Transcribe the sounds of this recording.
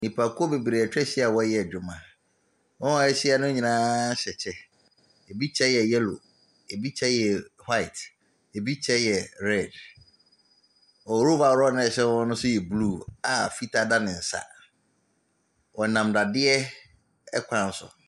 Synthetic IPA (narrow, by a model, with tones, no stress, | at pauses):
nĩ˨pʰa˨kʰo˦be˨bi˨ɾe˨ɛ˨t͡ɕᶣɛ˦ɕi˦a˨wɔ˦jɛ˦˨d͡ʑᶣʊ˨mã˨ | wɔ̃˦ɛ˦ɕi˦a˦nʊ̃˦ɲĩ˨nãː˦ɕɛ˨t͡ɕʰɛ˦ | e˨bi˦t͡ɕʰɛ˦jɛ˨jɛ˦lo̰˨ | e˨bi˦t͡ɕʰɛ˦jɛ˨ha˦ɪ˨t | e˨bi˦t͡ɕʰɛ˦jɛ˨ɾɛ˦˨d | ɔ˨˦ɾo˦ba˨ɾɔ˦nʊ̃˦ɛ˨ɕɛ˦wɔ̃˦nʊ̃˦sʊ˦jɛ˨bluː˦˨a˨fi˦tʰa˦da˦nɪ̃˨n̩˨sa̰˨ | wɔ˨nã˨mda˨dɪ˦ɛ˦ | ɛ̰˦kʷʰã˨n̩˦sʊ̰˨